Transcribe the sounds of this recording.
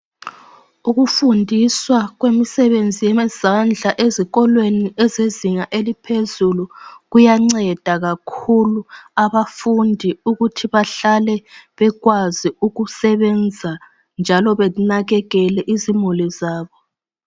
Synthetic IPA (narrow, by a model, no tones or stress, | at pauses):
uɣufundʱiswaɣwemisɛβend͡zʱijɛmɛzand͡ɮʱaʔeziɣɔlweniɛzeziŋaʔelipʰezuluɣujaŋ͡ǀɛd̥ʱaɣakʰuluaβafundʱiuɣutʰiβaɬalɛβɛɣwaziuɣusɛβɛnd͡zʱa | nd͡ʒʱalɔβɛnaɣɛɣɛlɛʔizimulizaːβɔ